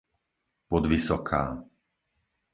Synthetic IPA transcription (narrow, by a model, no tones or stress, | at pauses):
pɔd̪ʋisɔkʰaː